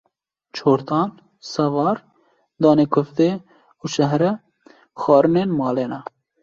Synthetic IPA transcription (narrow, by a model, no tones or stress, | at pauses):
t͡ʃʰoːɾt̪ʰɑːn | sɛvɑːɾ | d̪ɑːneːkʰʊft̪eː | uʃɛɦɾɛ | xɑːɾɨneːnmɑːleːnɛ